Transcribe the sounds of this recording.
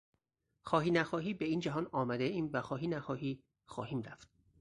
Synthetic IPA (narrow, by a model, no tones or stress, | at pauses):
xɒːɦiːnæxɒːɦiːbeiːnd͡ʒæɦɒːnɒːmæd̪eiːmvæxɒːɦiːnæxɒːɦiː | xɒ̰ːhiːmɾæft̪̚